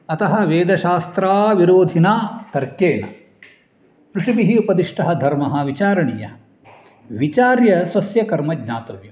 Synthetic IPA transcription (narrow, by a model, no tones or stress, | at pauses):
ɐt̪ɐɦɐ̆ʋeːd̪ɐʃaːst̪ɾaːʋiɾoːd̪ʱinaːt̪ɐɾkeːɳɐ̰ | pɾuʂibiɦiupɐd̪iʂʈɐɦɐd̪ʱɐɾmɐɦɐʋit͡ʃaːɾɐɳḭjɐ | ʋit͡ʃaːɾjɐsʋɐsjɐkɐɾmɐɡnaːt̪ɐʋju